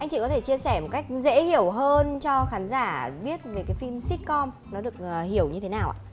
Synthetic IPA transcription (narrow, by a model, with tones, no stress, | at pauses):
ʔa˧jŋ̟t͡ɕḭ˧˨kɔ˨˦t̪ʰe˧˩t͡ɕi˧əsɛ˧˩mo˨˩t̚ka˦˥jk̟̚zḛ˧˥hi˧˩əwɦəː˧nt͡ɕɔ˧xaː˨˦nzaː˧˩ɓi˦˥ət̚ve˨˩kaː˨˦jfi˧msi˦˥t̚kɔ˧m | nɔ˨˦ɗɨ˨˩ək̚ːhi˧˩əwɲɨ˧e˨˦naː˨˩wʔa̰ː˧˨˩